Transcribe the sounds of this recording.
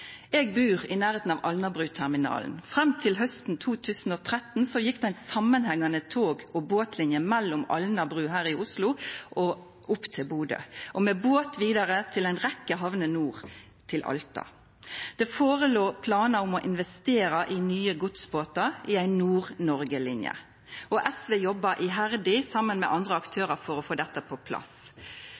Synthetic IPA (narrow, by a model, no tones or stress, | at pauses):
eːɡbʉːʁɪnæːɾeːt̪n̩ɑːʋʔɑlnɑbʁʉːt̪ʰæʁmɪnɑ̰ːln̩fʁɛmt̪ʰɪlɦœst̪n̩t̪ʰuːt̪ʰʉːsn̩oːt̪ʰʁɛt̪n̩sɔjɪkːd̪ɛɪnsɑmːənhɛŋːɑnət̪ʰoːɡɔboːt̪ʰlɪnjəmɛlːʊmɑ̰lnɑbʁʉːɦæːʁɪʔʊslʊʔɔ | ʔʊpːt̪ʰɪlbuːd̪ə̰ʔɔmeːboːt̪ʋiːd̪ɑʁət̪ʰɪlæɪnʁɛkːəɦɑʋnənuːʁ | t̪ʰɪlʔɑ̰lt̪ɑ̰ | d̪̥ɛːfoːʁəloːpʰlɑːnɑʊmɔʔɪnʋɛst̪eːɾɑʔɪnyːəɡʊt̪sboːt̪ɑʔɪæɪnːuːʁnɔʁɡəlɪnjə̰ | ʔɔʔɛsʋeːjɔbːɑʔɪɦæʁd̪ɪsɑmːənmɛ̰ʔɑnd̪ʁəɑkt̪ʰøːʁəfɔɾɔfoːd̪ɛt̪ːəpʰɔpʰlɑ̰s